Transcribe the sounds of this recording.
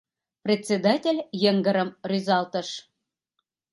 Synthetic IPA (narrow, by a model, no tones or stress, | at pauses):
prʲet͡sʲed̪ɑtʲelʲjə̆ŋɡə̆ɾə̆mrʲyzɑlt̪ə̆ʃ